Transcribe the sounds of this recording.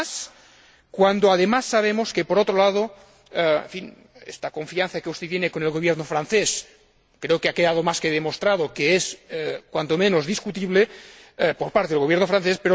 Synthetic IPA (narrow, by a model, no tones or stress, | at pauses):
s | kwand̪oaðemasːaβ̞emoskepoɾot̪ɾolað̞o | ḛɱfin | ḛst̪ako̞ɱfian̟θakeust̪et̪jenekonelɣoβjeɾnofɾanθes | kɾeokeakeðað̞omaskeð̞emost̪ɾað̞okeeskwant̪omẽnozðiskut̪iβle | poɾpaɾt̪eðelɣjeɾnofɾanθespeɾo